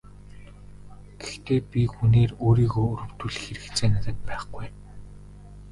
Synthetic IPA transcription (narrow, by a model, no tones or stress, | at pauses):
ɡ̥ext̪eːpʲixuneːroːɾiːɣoːuɾɵ̆w̥t̪uɮɘ̆xeɾɘ̆k̪t͡sʰeːnat̪ə̆t̪̚pæːχɡuj